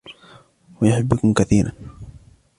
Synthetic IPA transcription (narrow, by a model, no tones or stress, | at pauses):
wajʊħɪbːakʊmkaθiːɾa̰n